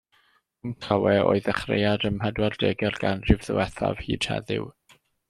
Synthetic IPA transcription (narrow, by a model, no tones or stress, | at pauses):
mkʰawɛo̰ːɨðɛχrḛjadəmhɛdwɛrdeːɡɛrɡanrɪvðəwɛθa̰v̥hiːd̥hɛ̰ðɪ̰w